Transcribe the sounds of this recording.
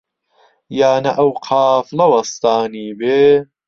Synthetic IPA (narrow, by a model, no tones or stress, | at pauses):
jaːnɐʔɐwqʰɑːflɐwɐst̪aːniːbeː